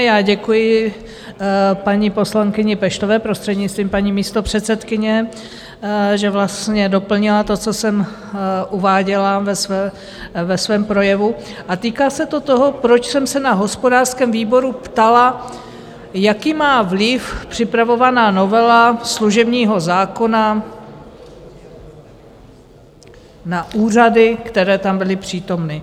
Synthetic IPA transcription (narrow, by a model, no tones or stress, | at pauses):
jaːɟɛkujɪ | paɲipo̞slaŋkɪɲɪpɛʃt̪ovɛːpɾost̪r̥ɛd̪ɲɪt͡st̪viːmpaɲiːmiːst̪o̞pr̝̥ɛt̪sɛt̪kɪɲɛ | ʒɛvlast̪ɲɛdo̞pl̩ɲɪlat̪o̞t͡so̞sɛm | ʔuvaːɟɛlavɛsvɛː | vɛsvɛːmpɾo̞jɛvuʔat̪iːkaːsɛt̪o̞t̪oɦo̞pɾot͡ʃsɛmsɛnaɦo̞spo̞daːr̥skɛːmviːbo̞ɾupt̪ala | jakiːmaːvlɪfpr̝̥ɪpɾavo̞vanaːno̞vɛlasluʒɛbɲiːɦo̞zaːko̞na | naʔuːr̝adɪkt̪ɛɾɛːt̪ambɪlɪpr̝̥iːt̪o̞mnɪ